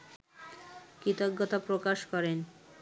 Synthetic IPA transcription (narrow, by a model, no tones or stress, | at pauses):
kit̪oɡːot̪apɾokaʃkɔɾen